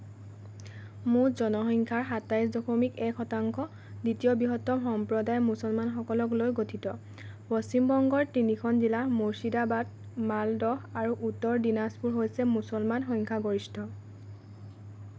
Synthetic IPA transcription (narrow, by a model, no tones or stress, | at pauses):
mʊɹzɔnɔxɔŋkʰaɹɦatajs̬dɔkomikɛkʰɔtaŋkʰɔ | ditijɔbiɦɔtːɔxɔmpɹɔdajmusɔlmanxɔkɔlɔklojɡotʰitɔ | bɔsimbɔŋɡɔɹtinikʰɔnzilamoɹsidabad̚ | maldɔxaɹuʔutːɔɹdinaspuɹɦojsɛmusɔlmanxɔjŋkʰaɡoɹistʰɔ